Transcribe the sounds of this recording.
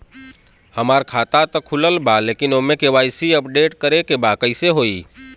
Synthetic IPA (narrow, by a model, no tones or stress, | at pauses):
hɐmaːɾkʰaːt̪at̪ɐkʰːʊləlbaleːkɪnoːmẽkeʋaːɪsiɐpɖeːʈkəɾekebaːkəiseɦoːiː